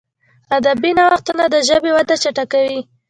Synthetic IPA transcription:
ad̪abinawaxt̪unad̪əʒəbewad̪at͡ʃaʈakawi

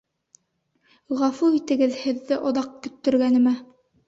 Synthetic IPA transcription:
ʁɑfuit̪ɘ̆ɡɘðhɘ̆ðːɘʔŏðɑq̚kɵ̆t̪ːɵ̆ɾɡænɘ̆mæ

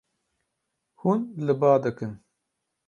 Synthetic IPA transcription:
hunlɨbɑːd̪ɨkɨn

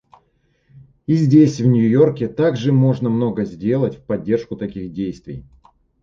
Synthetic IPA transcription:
izʲdʲesʲvnʲjʊjo̞rkʲɪt̪aɡʐɨmo̞ʐnəmno̞ɡəzʲdʲe̞lˠətʲfʲpɐdʲːe̞rʂkʊt̪ɐkʲixdʲejst̪vʲɪ̰j

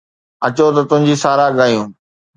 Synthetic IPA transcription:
ɐt͡ɕot̪̬ɐt̪ʊ̃ɦɪ̃ɲd͡ʑiːsaːɾaɠaːijũː

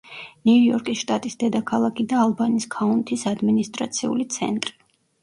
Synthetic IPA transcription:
nujɔɾkʼisʃt̪ʼat̪ʼisd̪ɛd̪akʰalˠakʰid̪aːlˠbaniskʰaunt̪ʰisad̪minist̪ʼɾa̰t̪sʰiṵlit̪sʰɛ̰nt̪ʼɾi

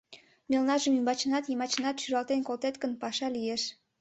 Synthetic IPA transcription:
mʲelnɑʒəmymbɑt͡ɕənɑt̪jimɑt͡ɕənɑt̪ʃyɾɑlt̪enkolt̪et̪kənpɑʃɑlijeʃ

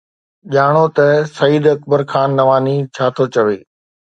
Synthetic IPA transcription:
ʄaːɽ̃ot̪ɐsɐiːd̪ɐkbəɾxaːnːɐʋaːnit͡ɕʰaːt̪ʰot͡ɕɐʋḛː

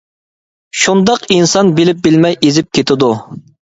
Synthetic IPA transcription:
ʃund̪ɑqinsɑnbɪlɪp̚bɪlmɛjezɪp̚kʲʰet̪ʰɪd̪u

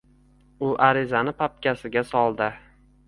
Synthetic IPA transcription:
ʊʔaɾɪzanɪpʰap̚kʲasɪɡʲasɒlˠd̪ɪ

